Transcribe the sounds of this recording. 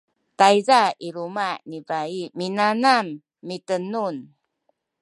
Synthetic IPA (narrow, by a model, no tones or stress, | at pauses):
tajzaiɾumaʔnivaiminanamː | itənun